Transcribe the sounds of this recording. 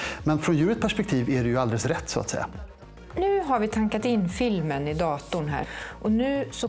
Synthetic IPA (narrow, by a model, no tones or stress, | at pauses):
mɛnfɾɔnjʉ̟ːɾət̪pʰæʂpɛkt̪ʰiːvæɖɛjɵald̪ɛləsɾɛt̪ːsʊa̰t̪sɛ̰jːa̰ | nʉ̟ːɦaɾvɪt̪ʰaŋkat̪ɪnːfɪlmənɪd̪ɑːt̪ʊɳɦæ̰ːʔɔnʉ̟ːsɔ